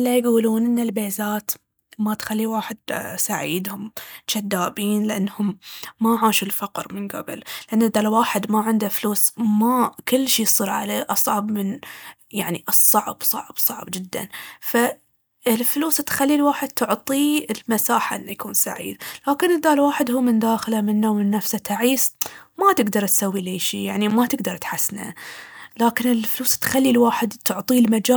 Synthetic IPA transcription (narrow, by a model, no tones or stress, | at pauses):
ʔɪlːajɡuːluːnʔɪnːalbeːzaːt̪ | mat̪xalːiwaːħɪd̪̚saʕḭːd̪hʊmt̪ʃad̪ːaːbiːnlɪʔanːhʊmːaʕaːʃulfaqɾmɪnɡa̰bɪ̰llɪʔanːɪd̪ːaːlwaːħɪd̪maʕɪnd̪afluːsmakʊlːʃiːsˤɨːɾʕa̰leːʔɑsˤʕɑbmɪn | jaʕniʔɨsˤːɑʕbsˤɑ̰ʕb̥sˤɑʕbd͡ʒɪd̪ːa̰nfa | ɪlfluːst̪xalːilwaːħɪd̪̚t̪ʰʊʕt̪ˤiɪlmasaːħaʔɪnːajkuːnsa̰ʕḭːd̪laːkɪnɪd̪ːaːlwaːħɪd̪ɦuːmɪnd̪aːxlamɪnːawmɪnːafsat̪aʕiːsmat̪ɪɡd̪ɑɾˤt̪sawːileːʃḭːjaʕnimat̪ɪɡd̪ɑɾˤt̪ħasna̰laːkɪnɪlfluːst̪xalːilwaːħɪd̪t̪ʊʕt̪ˤilmad͡ʒaː